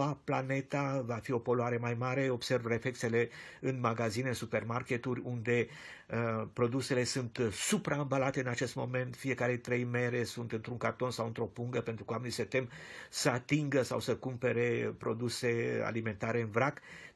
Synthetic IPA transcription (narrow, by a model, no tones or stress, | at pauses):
aplane̞t̪avafio̞po̞loaɾe̞majmaɾe̞o̞bse̞rvre̞fle̞kse̞le̞ɨnmaɡazineɨnsupe̞rmarke̞t̪urʲund̪e̞ | pɾo̞d̪use̞le̞sunt̪supɾaɨnbalat̪e̞ɨnat͡ʃe̞st̪mo̞̰me̞nt̪fie̞kaɾe̞t̪ɾe̞jme̞ɾe̞sunt̪ɨnt̪ɾuŋkart̪o̞nsawɨnt̪ɾo̞puŋɡəpent̪ɾukəoamenise̞t̪e̞msəat̪iŋɡəsawsəkumpe̞ɾe̞pɾo̞d̪use̞a̰lime̞nt̪aɾe̞ɨnvɾak